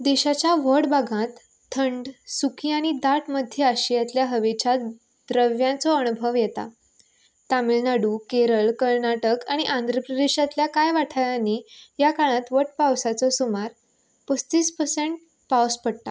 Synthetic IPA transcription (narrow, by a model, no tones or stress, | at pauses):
d̪eɕat͡ɕjaʋəɽbʱaɡãt̪ʰː | əɳɖsukiaɽ̃id̪aʈʰməd̪ʱːjəaɕijat̪ljaɦəʋet͡ɕa | d̪ɾəʋjãt͡sɔəñubʱəʋjet̪a̰ | t̪amilnaɽuːkeɾəɭkəɾnaʈəkaɽ̃iʔãnd̪ʱɾəpɾəd̪eɕat̪ljakajʋaʈʰajanijakaɭ̃ãt̪ʋəʈ̚pawsat͡sɔsumaɾ | pəst̪iːspəɾseɳʈ̚ | pawspəɽt̪a̰